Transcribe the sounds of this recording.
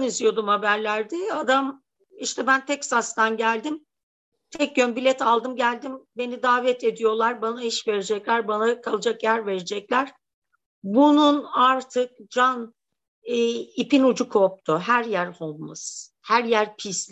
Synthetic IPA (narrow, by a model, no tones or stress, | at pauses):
nizijo̞d̪umhabæɾlʲæɾd̪ɛad̪am | iʃt̪ʰɛbænt̪ʰɛksast̪anɟælʲd̪im | t̪ʰɛc̚ɟønbilʲɛt̪alˠd̪ɯmɟælʲd̪imbe̞nid̪aːvɛt̪ʰe̞d̪ijo̞lˠaɾbanaiʃve̞ɾed͡ʒɛclʲæɾbanakʰalˠɯd͡ʒakjæɾve̞ɾed͡ʒɛclʲæɾ̥ | bununaɾt̪ʰɯk̚d͡ʒan | ipinud͡ʒukʰop̚t̪ʰuɦæɾjæɾholˠmas | hæɾjæɾpʰisʲ